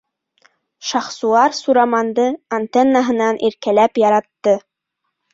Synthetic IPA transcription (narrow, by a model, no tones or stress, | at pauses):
ʃɑχsuɑɾsuɾɑmɑnd̪ɤant̪enːaɦɤ̆nɑnʔiɾkælæpjɑɾɑt̪ːɤ